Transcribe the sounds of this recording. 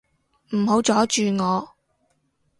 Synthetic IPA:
m̩˨˩ɦo˨˥wt͡sɔː˨˥t͡ʃyː˨˧ŋɔː˨˧

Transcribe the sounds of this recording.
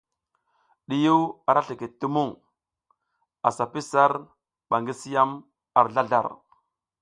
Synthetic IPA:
ɗi˨ju˦wa˨ɾa˦ɬi˨ki˨tːu˦mu˦˨ŋ | a˨sa˨pi˦sa˦ɾ | ɓa˨ŋɡi˦si˦ja˦m | a˨ɾɮa˦ɮa̰˨ɾ

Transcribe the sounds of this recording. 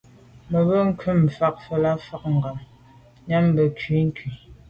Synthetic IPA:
mə˨bə˦ŋ̩˦kʰʉ˦˨m˨fa˦k̚fə˦la˦fa˦k̚ŋ̩˨ɡa˨m | ɲa˦m˦bə˨kɥi˨˦ŋ̩˦kʰɥi˨

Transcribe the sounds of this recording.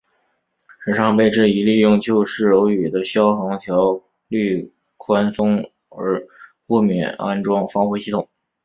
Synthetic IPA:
ʂ̩˨˩ʂɑ˥˧ŋpe˥˧ɪʈ͡ʂɻ̩˥˩i˧˥li˥˧jʊ˥˧ŋt͡ɕjo˥˧ʊʂɻ̩˥˩ɻo˧˥ʊy˨˩d̪ə˦ɕjɑ˥ʊxɑ˧˥ŋt̪ʰjɑ˧˥ʊ | ly˥˩ | kʰwa˥nsʊ˥ŋ | ə̰˞˧˥ku˥˩mjɛ̰˨˩na̰˥nʈ͡ʂwɑ˥˩ŋfɑ˥ŋxwu˥˩ɕi˥˩ʊ˨˩˦ŋ

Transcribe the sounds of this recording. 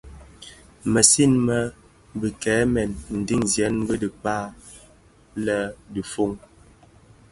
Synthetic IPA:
mə˨si˦˨nmə˦ | bi˨kɛː˨˦mɛ˨nn̩˨di˦ŋzjɛ˨˦n˦bə˦di˨k͡pa˦˨ | lə˦di˨fo˦ŋ

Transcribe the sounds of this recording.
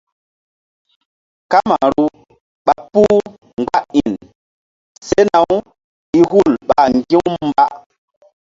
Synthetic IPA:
ka˦ma˨ɾu˦ | ɓa˦pu˦ | ŋ˨ɡa˦ʔi˨n | se˦na˨˦w | i˦ɦu˦˨lɓa˨ŋ˨ɡi˦m˦m̩˦ba˦ʔ

